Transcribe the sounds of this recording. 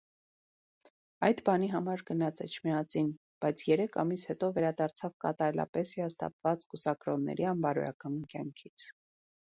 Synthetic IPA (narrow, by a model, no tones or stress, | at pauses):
ɑjd̪bɑniɦɑmɑɾɡənɑt͡sɛt͡ʃʰmiɑt͡sin | b̥ɑjt͡sʰjɛɾɛkʰɑmishɛt̪ɔvɛɾɑd̪ɑɾt͡sʰɑvkɑ̰t̪ɑɾɛlɑ̰pɛsiɑst̪ɑ̰pvɑt͡skusɑkɾɔnːɛ̰ɾiɑmbɑɾɔ̰ɾɑ̰kɑnkjɑ̰ŋkʰit͡sʰ